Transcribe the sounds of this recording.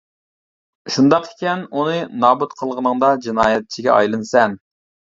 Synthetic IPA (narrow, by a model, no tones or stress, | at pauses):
ʃund̪ɑqɪ̥kʲɛnunɨnɑːbut̪qʰəlˠʁənəŋd̪ɑd͡ʒinɑːjɛt̪̚t͡ʃʰiɡʲɛʔɑ̰jlˠɨnsɛn